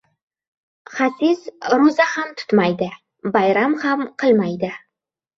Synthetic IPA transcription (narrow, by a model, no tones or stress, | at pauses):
χasɪzɾozahamt̪ʰʊ̥t̪majd̪ɪ | bajɾamhamqʰɨlˠmajd̪ɪ